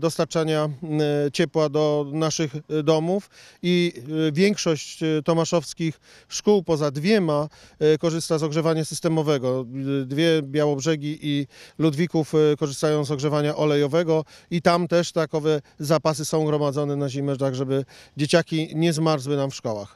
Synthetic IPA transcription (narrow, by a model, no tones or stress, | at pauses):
d̪ɔst̪aɾt͡ʂaɲat͡ɕɛpwad̪ɔnaʂɘɣd̪ɔmufivʲjɛŋkʂɔɕt͡ɕt̪ɔmaʂɔfskʲix | ʂkuwpɔzad̪vʲjɛmakɔʐɘst̪azɔɡʐɛvaɲasɘst̪ɛmɔvɛɡɔd̪vʲjɛbʲjawɔbʐɛɡʲiʔilud̪vʲikufkɔʐɘst̪ajɔ̃w̃zɔɡʐɛvaɲaʔɔlɛjɔvɛɡɔit̪amt̪ɛʂt̪akɔvɛzapas̬ɘsɔ̃w̃ɡɾɔmad̪zɔnɛnaʑimɛt̪aɣʐɛbɘd͡ʑet͡ɕakʲiɲɛzmaɾzwɘnamfʂkɔwa̰x